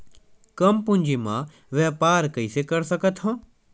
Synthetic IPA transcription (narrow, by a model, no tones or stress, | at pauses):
kɐmpʊ̃ɲʲd͡ʒimã̰ː | ʋɛːpaːɾkəisekɐɾsɐkət̪ɦõː